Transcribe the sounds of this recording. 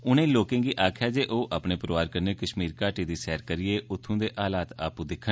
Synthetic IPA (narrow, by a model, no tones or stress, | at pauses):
ʊnẽːloːkẽːɡiːʔaːkʰjaːd͡ʒeːʔoːʔaːpneːpɾʋaːɾkəɾneːkəʃmiːɾkaːʈiːd̪iːsɛːɾkəɾɪeːʔʊt̪ʰːũːd̪eːʔaːlaːt̪a̰ːpũːd̪ɪkʰːə